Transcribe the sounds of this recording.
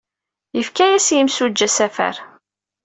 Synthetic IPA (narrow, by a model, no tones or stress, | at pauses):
jəfkæjæsjəmsud͡ʒːæsæfæ̰ɾ